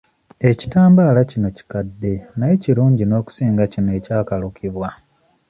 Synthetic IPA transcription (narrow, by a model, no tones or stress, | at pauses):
e̞ci̥taːmbaːlacino̞ci̥kadːe̞najeciɾuːɲɟino̞ːku̥siːŋɡacinoe̞caːkalukʰiβwa